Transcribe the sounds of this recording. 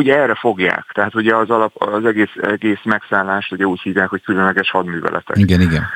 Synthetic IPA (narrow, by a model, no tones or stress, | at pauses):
uɟɛrːɛfo̞ɡja̰ːkt̪ɛɦaːt̪uɟɛɒzɒlɒpɒzɛɡeːsɛɡeːsmɛksaːlːaːʃt̪uɟɛuːchiːvjaːkho̞ckylønlɛɡɛʃhɒd̪my̰ːvɛ̰lʔɛ̰t̪ɛ̰kiɡɛniɡɛn